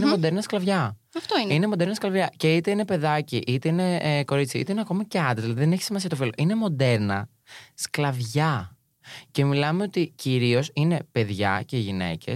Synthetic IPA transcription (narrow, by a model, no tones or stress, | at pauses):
inemod̪e̞ɾnɐsklɐvʝɐ | ɐft̪oinine̞mo̞d̪eɾnɐsklɐvʝɐce̞it̪e̞ine̞pe̞ðɐciʔit̪e̞ine̞ko̞ɾit͡siḭt̪eineɐko̞mɐceɐd̪ððilɐðiðençi̥simɐsiɐt̪o̞filo̞ʔine̞mo̞d̪e̞ɾnɐ | sklɐvʝɐ | ce̞milɐmeo̞t̪iciɾio̞sine̞pe̞ðʝɐ̰ce̞ʝine̞̰ce̞̰